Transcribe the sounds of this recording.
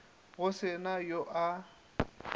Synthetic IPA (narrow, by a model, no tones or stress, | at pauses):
ɣʊsɪnajoʔa